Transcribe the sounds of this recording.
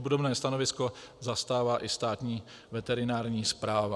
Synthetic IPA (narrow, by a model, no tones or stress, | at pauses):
budobnɛːst̪anovɪsko̞zast̪aːvaːʔɪst̪aːt̪ɲiː | vɛt̪ɛɾɪnaːɾɲiːspɾaːva